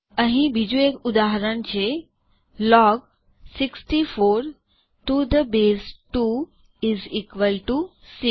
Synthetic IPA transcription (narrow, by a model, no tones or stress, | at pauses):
ə̃ɦĩbʱid͡ʒuekʊd̪aɦɾənt͡ʃe | lɔːɡ | sɪksʈifoːɾ | ʈud̪əbeːsʈu | ɪziːkʋəlʈu | si